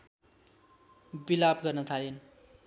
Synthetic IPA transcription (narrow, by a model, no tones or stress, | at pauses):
bilabɡʌrnʌt̪ʰalen